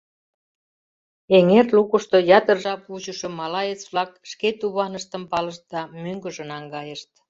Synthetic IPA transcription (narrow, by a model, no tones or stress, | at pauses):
eŋerlukəʃt̪ojɑt̪ərʒɑput͡ɕəʃɤ̆mɑlɑjet͡sβlɑkʃket̪uβɑnəʃt̪əmpɑləʃt̪̚d̪ɑmyŋɡə̆ʒə̆nɑŋɡɑjəʃt̪̚